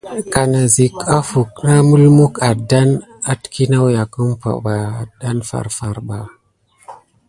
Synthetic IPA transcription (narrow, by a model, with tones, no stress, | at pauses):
ka˨na˨zi˨ka˦fu˨kna˦mu˦lmu˦ka˨da˦n | a˦tki˦na˦wja˨kə˦mpa̰˨ba˨da˦nfa̰˨ɾfa˨ɾɓa˨